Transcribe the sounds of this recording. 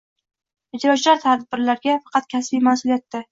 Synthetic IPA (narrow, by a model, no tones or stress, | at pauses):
ɪd͡ʒɾɒt͡ʃʰlaɾt̪ʰad̪bːɪɾlaɾɡʲafɑ̥qʰɑt̪̚kʲʰasbijmasʊlijat̪ːɪ